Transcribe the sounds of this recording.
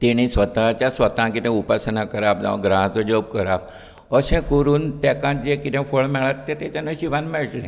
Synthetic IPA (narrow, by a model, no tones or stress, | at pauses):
t̪iñĩsʋət̪at͡ɕãsʋət̪ãkit̪ẽupasənakəɾap̚ã̰ɡɾãɦt̪od͡ʒob̚kəɾap | əsẽkuɾuːnt̪ɛkãd͡ʒekit̪ẽfʰoɭmɛɭat̪ːẽt̪et͡ʃãnõʃiʋanmɛɭʈlẽ